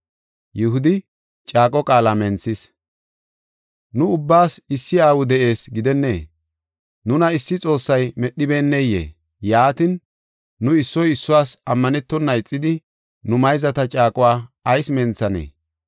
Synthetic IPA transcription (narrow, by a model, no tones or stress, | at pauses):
jɛhʊd̪ɪ | t͡ʃʼaːkʼɔkʼaːlamɛnt͡sːɪs | nʊʊbːaːsɪsːɪaːwʊd̪ɛʔe̞ːsɡɪd̪ɛnːḛː | nʊnɐɪsːɪt͡sʼo̞ːsːɐjmɛɗːɪbeːnːɛjḛː | jaːt̪ɪnː | ʊɪsːɔjɪsːʊwaːsɐmːɐnɛt̪ːɔnːɐɪt͡sʼːɪd̪ɪ | nʊmɐjzɐt̪ɐt͡ʃʼaːkʼʊwaːɐjsmɛnt͡sːɐnḛː